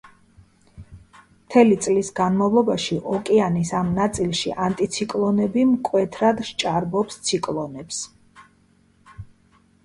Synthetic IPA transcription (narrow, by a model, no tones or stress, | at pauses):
mt̪ʰɛlit̪sʼlisɡanmavlˠɔbaʃiʔɔkʼɛanisamnat̪sʼilˠʃiʔant̪ʼit̪sʰikʼlˠɔnɛbimkʼwɛt̪ʰɾad̪ʃt͡ʃʼaɾbɔpst̪sʰikʼlˠɔnɛps